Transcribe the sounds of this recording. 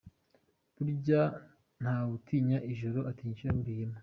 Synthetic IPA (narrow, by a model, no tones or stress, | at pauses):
buɾɟa | n̥haːβutʰiːɲaʔiʒoɾo̞ʔatiːɲʃiɾamuɾihima